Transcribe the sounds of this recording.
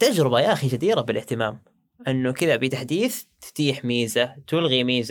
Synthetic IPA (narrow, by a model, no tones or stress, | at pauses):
t̪ad͡ʒɾɪbajaːxid͡ʒad̪iːɾabɪlʔɪht̪ɪmaːm | ʔɪnːʊkɪðabit̪aħd̪iːθt̪ɪ̥t̪iːħmiːzat̪ʊlɣimiːza